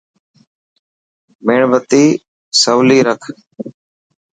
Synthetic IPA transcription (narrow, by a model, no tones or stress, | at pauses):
meːɳʋət̪iː | səwliːɾəkʰ